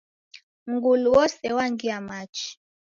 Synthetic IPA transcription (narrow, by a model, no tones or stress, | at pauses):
ŋɡuluwɔsɛwaŋɡiamat͡ʃi̥